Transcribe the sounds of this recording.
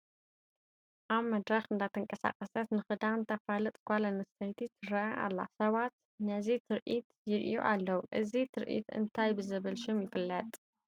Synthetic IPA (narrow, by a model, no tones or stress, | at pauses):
ʔaβmɐd̪ɾɐxɨnd̪at̪ʰɨŋkʼɐsa̰kʼɐsɐt̪nɨxɨd̪ant̪ʰɐfalɨt̪ʼkʷʼalɐnɨst̪ʰɐjt̪ʰit̪ʰɨɾɐʔɐʔa̰lːa̰sɐβat̪ | nɐzit̪ʰɨɾʔit̪jɪɾʔijṵʔalːɐwuʔɨzit̪ʰɨɾʔḭt̪ʰɨ̰nt̪ʰajbɨzɐβɐlʃumjɪfɨlːɐt̪ʼ